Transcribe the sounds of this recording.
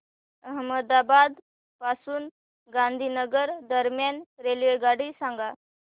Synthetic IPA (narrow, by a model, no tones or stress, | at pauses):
əɦməd̪abad̪ | pasuːn | ɡãnd̪ʱiːnəɡəɾd̪əɾmjanɾelʋeɡaɽiːsãŋɡa